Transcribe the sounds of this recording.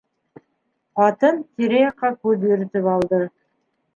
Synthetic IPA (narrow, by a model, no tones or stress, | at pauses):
pɑt̪ənt̪ʲʰeɾejɑqːɑkʲʰɵbeɾɪt̪ɪpɑlˠd̪ə